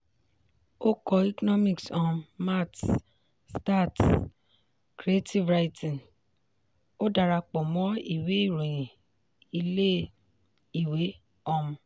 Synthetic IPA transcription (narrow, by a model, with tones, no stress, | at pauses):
o˦kɔ˧i˦kɔ˦nɔ˦mĩ˨ksɔ˨ma˦˨t | sta˦˨t | kɾi˨e˦ti˦vɾa˧i˦tʰĩ˨n | o˦da˧ɾa˧k͡pɔ˨mɔ̃˨˦i˦˨we˨˦i˦˨ɾũ˨j̃ĩ˨ | i˧le˦ | i˦˨we˨˦ | ɔ˧mũ˧